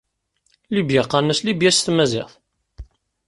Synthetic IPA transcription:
libjaqːɑnəslibjæsθmæzɪ̰θ

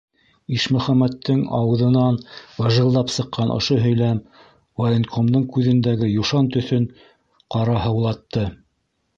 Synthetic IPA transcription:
iʃmɵ̆χæmːæt̪ːɘŋɑ̰wɤ̆ðɤ̆nɑnwɑʒɤ̆lˠːɑpsɤ̆qːɑnʔŏ̰ʃoɦɵ̆jlæm | wɐlʲenkʰomd̪ɤŋkʉðɘ̆nd̪æɡɘjuʃɑnt̪ɵ̆θɵn | qɑɾɑhɤ̆wlˠɑt̪ːɤ

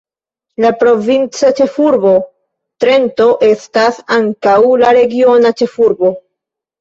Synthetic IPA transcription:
lapɾo̞vint͡sat͡ʃe̞fuɾbo̞ | tɾe̞nto̞ʔe̞stasaŋkawlaɾe̞ɡio̞nat͡ʃe̞fuɾbo̞

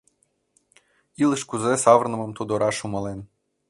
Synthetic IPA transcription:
ilˠɘʃkuzesɑvrnɤ̆mɤmt̪od̪oɾʔɑʃumɤlen

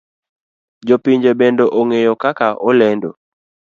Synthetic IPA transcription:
d͡ʒopiɲd͡ʒebendoʔoŋejɔkakaʔɔlɛndo̰

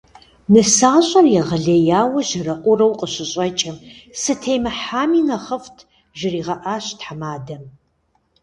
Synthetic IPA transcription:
nɨsaːɕʼɐrjɛʁɐɮejaːwɐʒɪrɐqʷʼʊrɐwqʼəɕɪɕʼɐt͡ʃʼɪmsɨtʰejmɐħaːmiːnɐχɐftʰ | ʒɪriːʁɐʔaːɕtħamaːdɐm

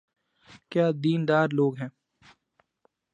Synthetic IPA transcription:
kjaːd̪iːnd̪aːɾloːɡɦɛ̃ː

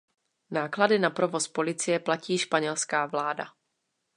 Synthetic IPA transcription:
naːkladɪnapɾo̞vo̞spo̞lɪt͡sɪjɛplaciːʃpaɲɛlskaːvlaːda̰

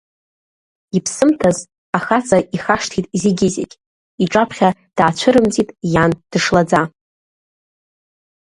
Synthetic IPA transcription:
ipʰsɨmtʰaz | aχat͡sʼaʔiχaʂtʰitʼiziɡʲɪzḛkʲʼ | iʈ͡ʂʼapʰχʲad̥aːt͡ɕʷʰɨɾɨmd͡zitʼjand̥ɨʂlad͡za

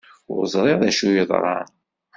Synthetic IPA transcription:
ʊ̰ɾzˤɾˤeʁðæʃujəðˤɾˤɑ̰n

